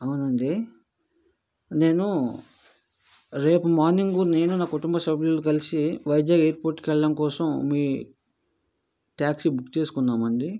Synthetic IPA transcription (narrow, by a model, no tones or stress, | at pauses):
ɐwunɐɳɖi | ne̞ːnu | ɾe̞ːpumaːɾniŋɡune̞ːnunaːkuʈumbɐʃɐblulokɐlisiʋɐjdjaɡeːɾpoːɾʈːkɛɭːɐɽɐmkɔːsɐmːiː | ʈaːksibukːt͡ʃe̞ːsu̥kunːaːmɐɳɖi